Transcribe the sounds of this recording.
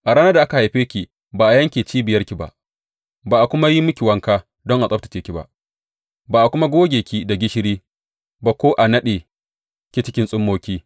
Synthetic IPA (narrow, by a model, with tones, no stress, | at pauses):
ʔa˨ɽaː˦nɐ˦da˨ʔa˦ka˨ha˨jɸeː˦kʲi˨ | baː˨ʔa˨jɐ˦ŋkʲe˨t͡ʃiː˦bɪ˨jɐ˦rkʲi˨ba̰˨ʔ | baː˨ʔa˨kʷʊ˦ma˦ji˦mʊ˦kʲi˨wɐ˦ŋkaː˦ | dɔ˦ŋʔa˨sʼɐ˦b̚tɐ˨t͡ʃeː˦kʲi˨ba̰˦ʔ | baː˨ʔa˨kʷʊ˦ma˦ɡʷoː˦ɡʲeː˨kʲi˦da˨ɡʲɪ˦ʃɪ˦ɾiː˦ | ba˨kʷoː˦ʔa˨nɐ˦ɗeː˨ | kʲi˨t͡ʃɪ˦kʲɪ˦nsʼʊ˦mːoː˦kʲiː˦